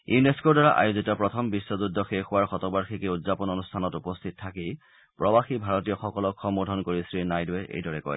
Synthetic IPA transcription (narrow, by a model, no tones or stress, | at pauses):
juneskodaɹa̰ʔa̰juzitɔpɹɔtʰɔmbisːɔzudʱːɔxexʊwaɹxɔtɔbaɹxikɛudzapɔnonustʰanɔtupɔstʰitɔtʰaki | pɹɔbaxibʱaɹɔtijɔxɔkɔlɔkxɔmbɔdʱɔnkoɹisɹinajdʊwɛʔḛjdɔɹɛkɔ̰j